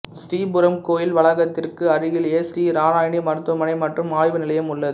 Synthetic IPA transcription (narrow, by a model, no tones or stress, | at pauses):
sʈiːbʊɾɐmkoːjɪlʋɐɭɐɣɐt̪ːɪrkɯɐɾɯjɪleːsʈiːɾaːɾaːjɳimɐɾt̪ːɐmɐnɐɪmɐʈrɯmaːɻʋɐnɪlɐjɐmʊɭːɐðɯ